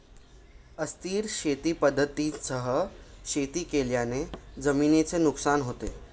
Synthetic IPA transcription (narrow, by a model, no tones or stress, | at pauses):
əst̪iːɾɕet̪iːpəd̪ʱːət̪isəɦəɕet̪iːkeljaned͡zəmiːnet͡senuksanɦot̪e